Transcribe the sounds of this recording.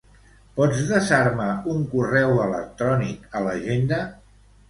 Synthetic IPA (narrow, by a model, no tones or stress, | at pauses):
pɔd͡zðəsaɾmauŋkurɛwələ̰k̚t̪ɾɔnikələʒend̪ə